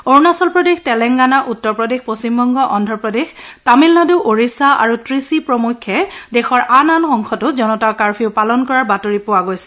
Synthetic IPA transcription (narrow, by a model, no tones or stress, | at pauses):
oɹnasɔlpɹɔdextɛlɛŋɡanaʔutːɔɹpɹɔdexpost͡ɕimbɔŋɡɔʔɔndʱɔɹpɹɔdextamilnɔdeʊʔoɹisaa̰ɹutɹisipɹɔmukʰːɛdɛxɔɹʔananxɔŋxʰɔtʊzɔnɔtakaɹpʰiʊpalɔnkɔɹaɹbatoɹipowaɡojsɛ̥